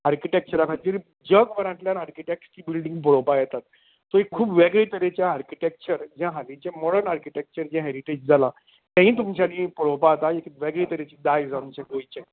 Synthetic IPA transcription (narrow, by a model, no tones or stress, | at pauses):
aɾkiʈek̚t͡ɕəɾakʰat̪iːɾ | d͡ʑəɡʋəɾãʈljanaɾkiʈek̚ʈskibilɖiŋɡp̬əɽopajɛt̪at̪̚ | soikkʰːuːbʋeɡɭiːt̪əɾet͡ɕjaːɾkiʈek̚t͡ɕəɾd͡ʑãɦalit͡ɕẽmɔɽəɾnaɾkiʈek̚t͡ɕəɾd͡ʑãɦɛɾiʈed͡ʑd͡zʱala | t̪ɛ̃ɦĩːt̪̬umt͡ɕanĩpəɽopaːt̪aekiʋɛɡɭiːt̪əɾet͡ɕid̪ajd͡zaunt͡ɕãɡojt͡ɕɛ̃